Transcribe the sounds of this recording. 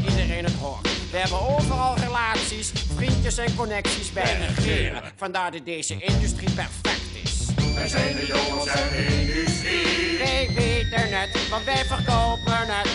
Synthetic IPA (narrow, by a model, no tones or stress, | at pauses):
idərɪnətɦɔrʋəɦɛbənoːvərɑlˠrəlaːtsisfrintəsɛnkɔnɛksisbɛjrəχɪmə̰ | vɑndaːɹdədejzəʔɪndʉstripɛrfɛktɪ̰szɛə | ɪndsiʋejʋetənɛtʋɑntʋɛjvərkowpənət